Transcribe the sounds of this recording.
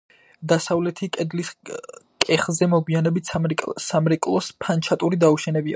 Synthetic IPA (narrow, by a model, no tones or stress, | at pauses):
d̪asavlɛt̪ʰikʼɛd̪liskʼɛχzɛmɔɡwianɛbit̪ʰʼsamɾɛkʼlˠɔspʰant͡ʃʰat̪ʼuɾid̪auʃɛnɛbia̰